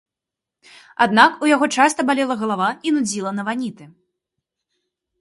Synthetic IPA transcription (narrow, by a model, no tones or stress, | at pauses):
a̰d̪nakujaɣɔt͡ʂast̪ɐbalʲɛlˠɐɣɐlˠavainud͡zʲilˠɐnɐvanʲit̪ɨ